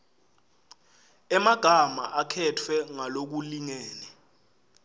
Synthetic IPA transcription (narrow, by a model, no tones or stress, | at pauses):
ɛmaɡ̥ʱamaʔakʰɛtʰwɛŋalok̬uliŋeːnɛ